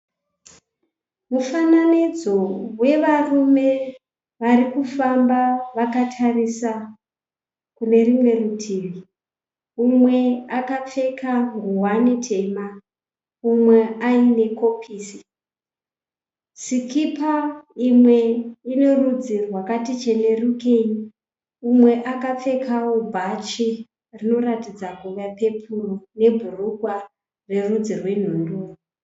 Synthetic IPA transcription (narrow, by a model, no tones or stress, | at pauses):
mufananid͡zo̞we̞ʋarume̞ | ʋarikufambaʋakatʰarisa | kune̞rimwe̞rutʰiːʋi | umwe̞akap͡fe̞kaŋɡuwanetʰe̞ma | umwe̞aine̞kopʰiːsi | sikipaimwe̞ine̞rud͡zirwakatit͡ʃe̞ne̞rukei | umwe̞ʔakap͡fe̞kʰaubʱat͡ʃi | rino̞ratid͡zakuʋape̞pʰurone̞bʱuruɡʱwa | re̞rud͡zirwe̞n̤unduː